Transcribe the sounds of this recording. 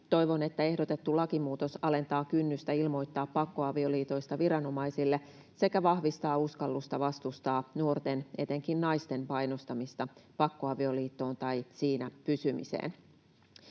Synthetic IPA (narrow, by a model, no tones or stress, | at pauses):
t̪o̞jʋo̞ne̞t̪ːæe̞hdot̪e̞t̪ːulɑkimuːt̪o̞sɑle̞nt̪ɑːkynːyst̪æilmo̞jt̪ːɑːpːɑkːo̞ɑʋio̞liːt̪o̞jst̪ɑʋiɾɑno̞mɑjsilːe | se̞kæʋɑhʋist̪ɑːuskɑlːust̪ɑʋɑst̪ust̪ɑːnuo̞rt̪ene̞t̪e̞ŋkinnɑjst̪e̞mpɑjnost̪ɑmist̪ɑpɑkːo̞ɑʋio̞liːt̪ːo̞ːnt̪ɑjsiːnæpysymḭsḛːn